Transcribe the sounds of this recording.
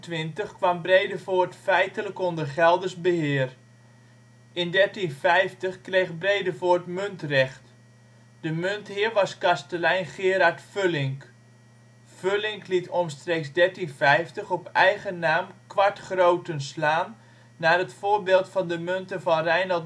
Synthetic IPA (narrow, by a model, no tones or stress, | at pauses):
tʋɪntəχkʋɑmbrejdəvoːɹtfɛjtələkɔndəχɛlˠdəszbəɦɪːər | ɪndɛɹtinfɛjftəχkrejχbrejdəvoːɹtmøntrɛχt | d̥əmønthɪːərʋɑskɑstəlɛjnχɪːəɾaɹtfølɪŋk | følɪŋklitʰɔnstrekzdɛɹtinfɛjftəχɔpɛjɣənaːmkʋaɹtχrowtənslaːnː | aːrətfoːɹbɪːlˠtfɑndəmøntənvɑnrɛjnɑlˠ